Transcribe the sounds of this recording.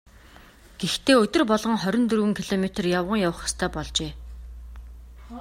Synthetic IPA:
ɡ̥ext̪ʰeːɵt̪ɵ̆rpɔɮʁɞ̆ŋχœɾʲɪ̆nt̪ɵrɵɣɘ̆ŋkʰiɮɔmet̪rjawʁə̆ŋjawə̆χɔ̥st̪ʰæːpɔɮt͡ɕeː

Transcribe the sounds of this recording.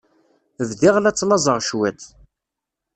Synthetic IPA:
vðiʁlæt͡sːlɑzˤəʁʃwæd̪

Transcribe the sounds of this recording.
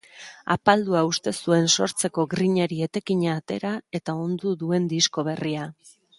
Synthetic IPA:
apald̪uaust̪e̞sue̞nso̞ɾt͡se̞ko̞ɡɾiɲeɾie̞t̪e̞kiɲaːt̪e̞̰ɾae̞t̪ao̞nd̪uðue̞nd̪isko̞β̞e̞ria

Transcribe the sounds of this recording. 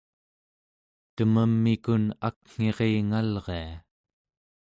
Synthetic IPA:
t̪əməmːikuna̰kŋ̥e̞ʁeŋalʁea

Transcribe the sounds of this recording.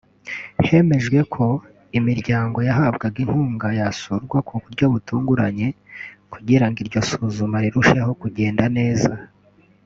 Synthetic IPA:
he̞me̞ʒɡwe̞kʰo̞ | imiɾɟaːŋɡo̞jaɦabɡaɡin̥huːŋɡajasuɾɡwakʰukuɾɟo̞βutuːŋɡuɾaɲe̞kuɟiɾaŋɡiɾɟo̞suːzumaɾiɾuʃe̞ho̞kuɟe̞ːndane̞ːza

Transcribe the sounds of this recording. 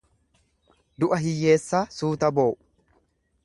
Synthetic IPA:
d̪ʊʔɐɦɪjːe̞ːsːaːsuːt̪ɐbo̞ːʔ

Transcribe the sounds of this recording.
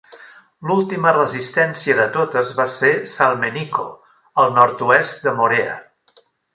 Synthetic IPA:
lulˠt̪imərəzist̪ɛnsiəðət̪ot̪əzβasesalˠmeniko̰ | əlˠnɔɾt̪uɛst̪̚d̪əmoɾeə̰

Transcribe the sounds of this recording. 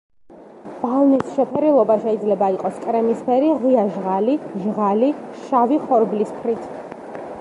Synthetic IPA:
b̥alˠnisʃɛpʰɛɾilˠɔbaʃɛid̪zlɛbaiqʼɔskʼɾɛmispʰɛɾiʁiaʒʁaliʒʁaliʃaviχɔɾbliskʰɾit̪ʰ

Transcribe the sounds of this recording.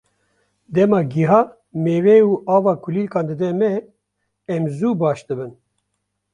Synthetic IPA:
d̪ɛmɑːɡiɦɑː | meːvɛuːɑːvɑːkʰuliːlkɑːnd̪ɨd̪ɛmɛ | ɛmzuːbɑːʃd̪ɨbɨn

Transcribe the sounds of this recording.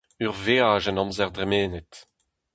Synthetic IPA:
yʁveːaːʒɛnɑ̃mzɛʁd̪ʁɛmeːnɛt̪

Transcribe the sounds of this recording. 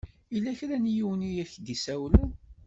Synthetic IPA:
ilːæçɾænjiwənijæçd̪isæwlu

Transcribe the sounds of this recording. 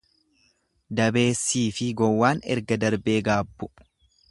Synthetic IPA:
d̪ɐbe̞ːsːiːfɪɡɔwːaːnɛ̰ɾɡɐd̪ɐɾbeːɡaːbːʊ̥

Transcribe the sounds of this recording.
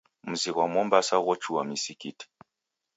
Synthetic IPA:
muziɣwamɔmbasaɣɔt͡ʃuwamisikit

